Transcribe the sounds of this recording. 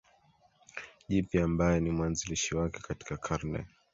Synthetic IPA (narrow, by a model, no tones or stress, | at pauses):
ʄipiambajɛnimwanziliʃiwakɛkati̥kakʰaɾnɛ̰